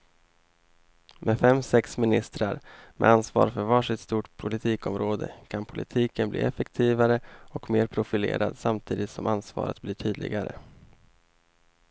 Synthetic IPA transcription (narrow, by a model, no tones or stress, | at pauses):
mʔɛfɛmsɛksmɪnɪst̪ɾaɾmɛ̰ansvɑ̰ːɾfœɾvɑːʂɪt̪st̪uːʈpʰʊlɪt̪ʰiːkɔmɾoːd̪ə̰kʰanpʰʊlɪt̪ʰiːkənblḭːɛfɛkt̪ʰiːvaɾəɔkmeːɾpʰɾʊfɪlḛːɾad̪samt̪ʰiːd̪ɪt̪sɔmʔansvɑ̰ːɾət̪̚bliːʈʰyːd̪lɪ̰ɡaɾə̰